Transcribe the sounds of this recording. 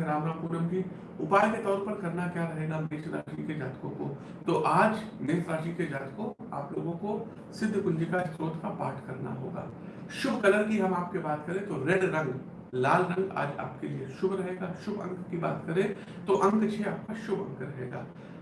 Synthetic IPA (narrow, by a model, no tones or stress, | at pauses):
ɾaːʋɾapuːɾəmki | ʊpaːjket̪ɔːɾpɐɾkɐɾnakjaːɾɐɦeːɡameːʃɾa̰ːʃiked͡ʒaːt̪kõko | t̪oʔaːd͡ʒmeːsɾaːʃiked͡ʒaːt̪kõ | a̰ːploːɡõko | sɪd̪ʱːkʊ̃nd͡ʒikaɪst̪ɾoːt̪kapaːʈʰkɐɾna̰ɦo̰ːɡa̰ː | ʃʊbʱkɐləɾkiɦɐmaːp̚kebaːt̪kɐɾẽt̪oɾeɽɾɐ̃ŋɡ | laːlɾɐ̃ŋɡa̰ːd͡ʒa̰ːp̚kelieʃʊbʱɾɐɦeːɡaːʃʊbʱɐ̰̃ŋkkiba̰ːt̪kɐɾẽ | t̪oʔɐ̃ŋkt͡ʃʰeaːp̚kaʃʊbʱɐ̃ŋkɾɐɦḛːɡa̰ː